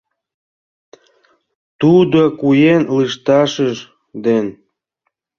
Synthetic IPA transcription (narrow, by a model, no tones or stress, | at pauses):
t̪ud̪okujenlɨʃt̪ɑʃəʃ | d̪en